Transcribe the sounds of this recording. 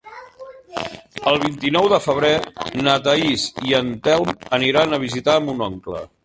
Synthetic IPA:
əlˠβ̞int̪inɔwðəfəβ̞ɾenət̪əisiənt̪ɛlˠməniɾanəβ̞izit̪aəmbunɔŋklə̰

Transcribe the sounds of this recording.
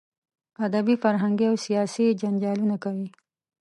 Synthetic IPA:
ad̪abifaɾɦaŋɡiawsijɑsid͡ʒaɲd͡ʒɑlunakawi

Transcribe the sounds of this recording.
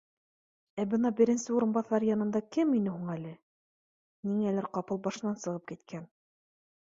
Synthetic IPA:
æbɤnɑbɘ̆ɾɘ̆nsɘuɾɤ̆nbɑθɑɾjɑnɤ̆nd̪ɑkɘminɘɦuɴælɘ | niŋælæɾqɑpɤlˠbɑʃɤ̆nːɑnsɤ̆ʁɤp̚kit̪kʰæn

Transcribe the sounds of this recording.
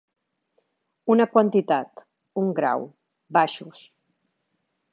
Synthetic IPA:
unəkwant̪it̪at̪ | uŋɡɾa̰w | baʃus

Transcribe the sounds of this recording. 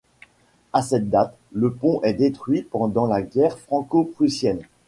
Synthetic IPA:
asɛt̪̚d̪at̪ | ləpɔ̃ʔɛd̪et̪χɥipɑ̃d̪ɑ̃laɡʲɛʁfχɑ̃kopχysjɛn

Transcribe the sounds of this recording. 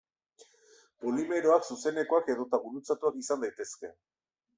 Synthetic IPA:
polime̞ɾo̞aksuse̞ne̞ko̞ake̞ðo̞t̪aβuɾut͡sat̪uakisand̪ajt̪e̞ske̞

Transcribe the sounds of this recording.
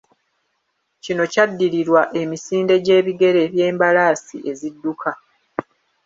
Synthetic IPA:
cino̞cadːiɾiɾwaʔe̞misiːnde̞ɟe̞ːβiɡe̞ɾe̞ːβje̞ːmbalaːsḭʔe̞zidːukʰa

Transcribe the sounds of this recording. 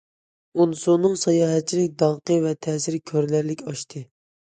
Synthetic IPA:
unɨsonːɨŋsɑjɑːɦɛt̪̚t͡ʃʰːilɪkʲd̪ɑlˠqʰəvɛt̪ʰɛːsɪɾkʲʰøɾlæɾlɪkʲɑʃt̪ʰɨ

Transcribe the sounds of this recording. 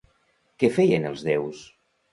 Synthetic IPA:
kɛfɛjənəlˠzðews

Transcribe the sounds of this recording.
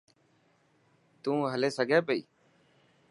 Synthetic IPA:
t̪ũːɦəleːsəɡʱɛ̃ːpəḭː

